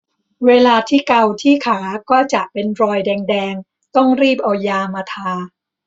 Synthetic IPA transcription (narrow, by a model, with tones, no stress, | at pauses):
weː˧laː˧t̪ʰiː˥˩ka˧wt̪ʰiː˥˩kʰaː˩˦kɔː˥˩t͡ɕa˨˩ʔpe˧nɾɔː˧jdɛː˧ŋdɛː˧ŋ | t̪ɔ˥˩ŋɾiː˥˩p̚ʔa˧jaː˧maː˧t̪ʰaː˧